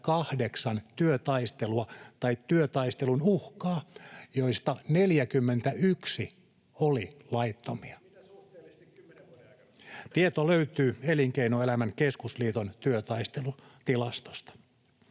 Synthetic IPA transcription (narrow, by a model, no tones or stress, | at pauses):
kɑhdeksɑnt̪yøt̪ɑist̪eluɑt̪ɑit̪ːyøt̪ɑist̪elunuhkɑːjoist̪ɑneljækymːent̪æʔyksi | olilɑit̪ːomiɑ | t̪iet̪oløyt̪yːeliŋkeinoelæmæŋkeskusliːt̪ont̪yøt̪ɑist̪elut̪ilɑst̪o̥st̪ɑ̥